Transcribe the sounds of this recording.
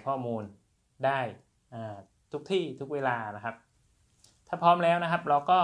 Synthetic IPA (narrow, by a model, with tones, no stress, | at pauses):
kʰɔː˥˩muː˧n | daː˥˩j | ʔaː˧˩ | t̪ʰu˦˥k̚t̪ʰiː˥˩t̪ʰu˦˥k̚weː˧laː˧na˦˥kʰa˦˥p̚ | t̪ʰaː˥˩pʰɔː˦˥mlɛː˦˥wna˦˥kʰa˦˥p̚ɾa˧wkɔː˥˩